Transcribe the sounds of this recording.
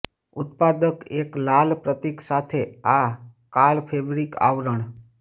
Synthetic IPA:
ʊt̪̚pad̪əkeklalpɾət̪iksat̪ʰeakalpʰeʋɾika̰ʋɾəɳ

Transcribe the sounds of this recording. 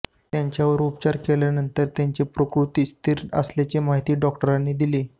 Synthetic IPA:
t̪jaɲt͡ɕjaʋəɾup̚t͡ɕaɾkeljanənt̪əɾt̪jaɲt͡ɕepɾəkɾut̪iːst̪ʰiɾə̰sljat͡ɕemaɦit̪iːɖɔkʈəɾanːiːd̪ileː

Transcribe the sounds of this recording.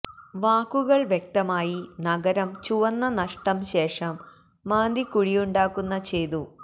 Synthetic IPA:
ʋaːkːuɣɐɭʋjek̚t̪ɐmaːjinɐɡɐɾɐmt͡ɕuʋɐnːɐnɐʂʈɐmɕe̞ːʂɐmː | aːnd̪ikuɻijuɳɖaːkːunːɐt͡ɕejd̪u

